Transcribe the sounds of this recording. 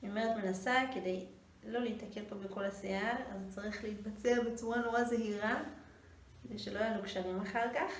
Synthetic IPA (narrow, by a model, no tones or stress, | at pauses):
omeʁetmenasake̞dej | lo̞leitake̞lpo̞beko̞laseaʁazt͡saʁiχleit̪̚bat͡seabet͡suʁanoʁazeɦiʁa | kedejʃelo̞ajalukʃaʁimaχaʁkaχ